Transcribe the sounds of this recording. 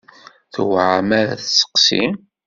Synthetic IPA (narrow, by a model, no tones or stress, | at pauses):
θwʕamæɾæ̰θsə̥qsḭm